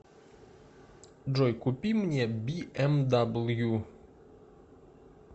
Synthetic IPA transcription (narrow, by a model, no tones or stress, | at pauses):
d͡ʒɔjkupʲimnʲɛbʲiʔɛmd̪ablˠju